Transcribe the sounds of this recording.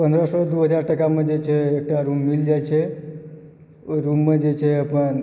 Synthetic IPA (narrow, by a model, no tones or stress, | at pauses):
pə̃nd̪ɾəsɔd̪uɦəd͡ʒaɾʈəkamãd͡ʒet͡ʃʰeːk̚ʈaɾũmːild͡ʒajt͡ʃʰe | ɾũmːãd͡ʒet͡ʃʰeəpəɳ